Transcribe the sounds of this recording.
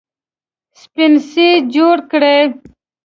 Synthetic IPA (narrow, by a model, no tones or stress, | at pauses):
spinsid͡ʑoːɽkɽe